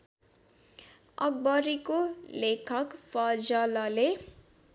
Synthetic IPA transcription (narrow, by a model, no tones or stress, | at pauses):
ʌ̰ɡ̚bʌɾikolekʰʌkpʰʌd͡zʌlʌle